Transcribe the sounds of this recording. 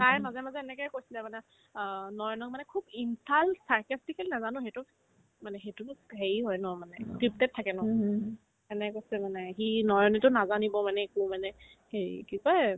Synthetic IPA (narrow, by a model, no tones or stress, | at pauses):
tajmazɛmazɛːnɛkɛjkojsilɛmanɛ | nɔjɔnɔk̚manɛkʰubinsalsaɹkastikɛlinazanʊ̃xetʊ | manɛxetuɦeɹiɦɔjnɔmanɛkɹip̚tɛt̚tʰːakɛnɔ | ɛnɛkojsilɛmanɛxinɔjɔnɛtʊnazanibɔmanɛekumanɛ | heikika